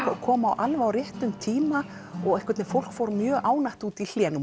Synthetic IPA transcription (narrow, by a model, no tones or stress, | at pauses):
kʰɔːmawʔalvaːwɾjɪht̪ʏmt̪ʰiːma | ɔɣɛhkvɛt̪nɛfowl̥kfowɾmjœːɣʔaːwnajht̪uːt̪il̥ɛːnʏ